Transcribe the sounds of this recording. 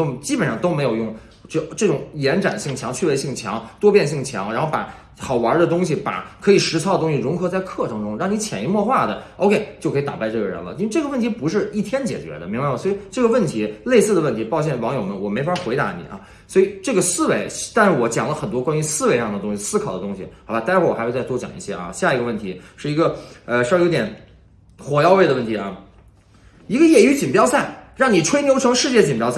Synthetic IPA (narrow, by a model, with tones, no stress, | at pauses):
o˥t͡ɕi˥pə˨nʂɑ˥˧ŋt̪o˥ʊme˧˥ɪjo˨˩ʊjʊ˥˩ŋ˥˩ | ʈ͡ʂɤ˥˩ʈ͡ʂʊ˨˧˥ŋjɛ˧˥nʈ͡ʂa̰˨˩nɕi˥˩ŋt͡ɕʰjɑ˧˥ŋt͡ɕʰy˥˩we˧˥ɪɕi˥˩ŋt͡ɕʰjɑ̰˧˥ŋt̪wɔ˥pjɛ˥˧nɕ̬i˥˩ŋt͡ɕʰjɑ̰˧˥ŋɻa˧˥nxo˥˩ʊpa̰˨˧˩ | xɑ˨˩ʊwa˧˥d̪ə˧t̪ʊ˥ŋɕi˨˩pa̰˨˩kʰɤ˧˥i˨˩ʂɻ̩˧˥t͡sʰdə˩t̪ʊ˥ŋɕi˨˩ɻʊ˧˥ŋxɤ˧˥t͡sa˥˧ɪkʰɤ˥˩ʈ͡ʂʰɤ˧˥ŋʈ͡ʂʊ˥ŋɻa˥˩ŋni˧˥t͡ɕʰjɛ˨˩i˧˥mwɔ˥˧xwa˥˩d̪ə˩o˥˧kʰe˥˩ɪt͡ɕjkʰt̪a̰˨˩pa˥˧ɪʈ͡ʂɤ˥˩ɡə˩ɻə̰˧˥nlə̰˧i˥we˥˧ʈ͡ʂɤ˥˩ɡə˧wə˥˩nt̪ʰi˧˥pu˧˥ʂ̬ɻ̩˥˧i˥˩t̪ʰjɛ˥nt͡ɕjɛ̰˨˩t͡ɕɥɛ̰˧˥d̪ə̰˧mi˧˥ŋba˧wwi˨˩ʈ͡ʂɤ˥˩ɡə˩wə˥˩nt̪ʰi˧˥le˥˧ɪsɹ̩˥˩d̪ə˩wə˥˩nt̪ʰi˧˥pɑ˥˧ʊɕ̬ʰjɛ˥˩nwɑ˧˥ŋjo˨˩ʊmə˧˦nwɔ˨˩me˧˥ɪfxwe˧˥ɪt̪a̰˧˥nḭ˨˩˦ʔɐ̰˧˩ | swɔ˧˥i˨˩ʈ͡ʂɤ˥˩ɡə˩sɹ̩˥˧we˧˥ɪt̪a˥˧nʂɻ̩˥˩wɔ˧˥t͡ɕjɑ˨˩ŋlə˦xə˨˩nt̪̬wɔ˥kwa˥nɥy˧˥sɹ̩˥˧wɪɑ˥˩ŋd̪ə˩t̪ʊ˥ŋɕi˨˩sɹ̩˥kʰɑ˨˩ʊd̪ə˦t̪ʊ˥ŋɕi˨ɑ˧˥ba˧˥a˥wɔ˥˩ɔ˨xt͡sa˥˧t͡swɔ˥t͡ɕj̰ŋḭ˧˩ɕjɛ̰˥ʔɐ̰˧ɕja˥˩i˧˥ɡə˧wə˥˩nt̪ʰi˧˥ʂɻ̩˥˩i˧˥ɡə˧ə˧ʂjo˥jɛ˨˩˦n | xwɔ˨˩jɑ˥˧ʊwe˥˩ɪd̪ə˩wə˥˩nt̪ʰi˧˥ʔɐ˥˩ | i˧˥ɡə˧jɛ˥˩y˧˥t͡ɕi˨˩pjɑ˥ʊsa˥˩ɪɻɑ˥˩ŋni˨˩ʈ͡ʂʰwe˥ɪnjo˧˥ʊʈ͡ʂʰɤ˧˥ŋʂɻ̩˥˧t͡ɕjɛ˥˩t͡ɕi˨˩npjɑ˥ʊsa˥˩